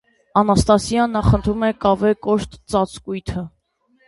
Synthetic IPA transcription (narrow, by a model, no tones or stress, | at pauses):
ɑnɑst̪ɑsjɑnːɑχənt̪ʰɾumɛkɑvɛkɔʃt̪t͡sɑt͡skujt̪ʰə